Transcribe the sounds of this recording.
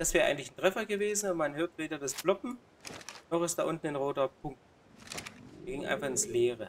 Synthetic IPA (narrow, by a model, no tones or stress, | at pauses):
d̥asv̥ɛːʁɐʔaɪɡŋ̩tlɪçn̩tʁ̥ɛfɐɡəveːzn̩ʊmanɦøːɐtveːdɐdasb̥lɔpm̩ | nɔχɪstd̥aʔʊntn̩ɪnʁoːtɐpʰʊŋk̚t | ɛːɐɡɪŋʔa̰ɪnfaχɪnsleːʁə